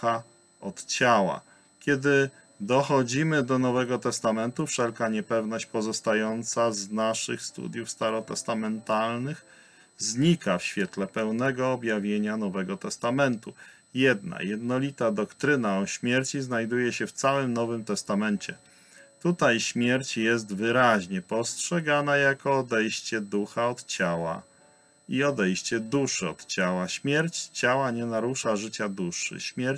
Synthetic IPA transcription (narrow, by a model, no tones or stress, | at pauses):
a | ɔt̪t͡ɕawa̰ | kʲɛd̪ɘ | d̪ɔxɔd͡ʑimɘd̪ɔnɔvɛɡɔt̪ɛst̪amɛnt̪ufʂɛlkaɲɛpɛvnɔɕt͡ɕpɔzɔst̪ajɔnt̪saznaʂɘxst̪ṵd̪ʲjufst̪aɾɔt̪ɛ̰st̪amɛnt̪alnɘx | zɲikafɕfʲjɛt̪lɛpɛwnɛɡɔːbʲjavʲjeɲanɔvɛɡɔt̪ɛst̪amɛnt̪u | jɛd̪na̰jɛd̪nɔlʲit̪ad̪ɔkt̪ɾɘnaɔɕmʲjɛɾt͡ɕiznajd̪ujɛɕɛft̪sawɘmnɔvɘmt̪ɛst̪amɛnt͡ɕɛ̰ | t̪ut̪ajɕmʲjɛɾt͡ɕjɛs̬t̪vɘɾaʑɲɛpɔstʂɛɡanajakɔːd̪ɛjɕt͡ɕɛd̪uxaɔt̪t͡ɕawa̰ | iɔd̪ɛjɕt͡ɕɛd̪uʂɘɔ̰t̪t͡ɕawaɕmʲjɛɾt͡ɕt͡ɕawaɲɛnaɾuʂaʐɘt͡ɕad̪uʂɘ̰ɕmʲjɛɾ